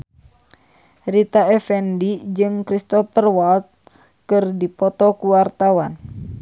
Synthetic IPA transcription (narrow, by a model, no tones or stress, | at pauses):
rit̪aɛfɛndid͡ʒɨŋkɾist̪ɔfərwalt̪̚ | kɨrdipɔt̪ɔkuwart̪awan